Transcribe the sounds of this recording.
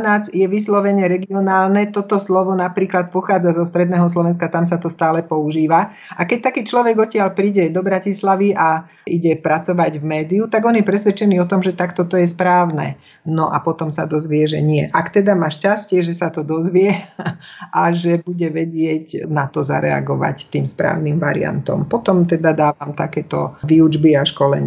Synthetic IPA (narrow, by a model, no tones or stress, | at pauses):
naːt͡sjɛʋislɔʋɛɲɛɾɛɡiɔnaːlnɛt̪ɔt̪ɔslɔʋɔnapɾiːklat̪̚pɔxaːd͡zazɔst̪ɾɛd̪nɛːɦɔs̬lɔʋɛns̬kat̪ams̬at̪ɔst̪aːlɛpɔuʒiːʋa | ʔakɛc̚t̪akiːt͡ʃlɔʋɛɡɔcɪalpɾiːɟɛd̪ɔbɾacislaʋiʔa | ʔiɟɛpɾat͡sɔʋaɟvmɛːd̪iut̪aɡɔnjɛpɾɛsʋɛt͡ʃɛniːɔt̪ɔmʒɛt̪akt̪ɔt̪ɔjɛspɾaːʊnɛ̰nɔʔa̰pɔt̪ɔmsad̪ɔzʋɪɛʒɛɲɪɛʔakt̪ɛd̪amaːʃcascɪɛʒɛsat̪ɔd̪ɔzʋɪɛ | ʔaʒɛbuɟɛʋɛɟɪɛcnat̪ɔza̰ɾɛ̰a̰ɡɔʋa̰ct̪iːmspɾa̰ːʊnimʋaɾḭa̰nt̪ɔ̰mpɔt̪ɔmt̪ɛd̪ad̪aːʋamt̪akɛːt̪ɔ̰ʋiud͡ʒbiaʃkɔlɛ̰ɲ